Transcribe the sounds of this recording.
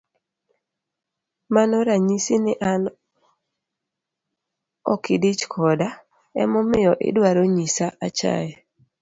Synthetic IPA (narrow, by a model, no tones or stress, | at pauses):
manɔɾaɲisinɪʔan | ɔ̰kɪdit͡ʃkʰɔda | ɛ̰mɔmɪjɔʔɪ̰dwaɾoɲisaʔat͡ʃa̰jɛ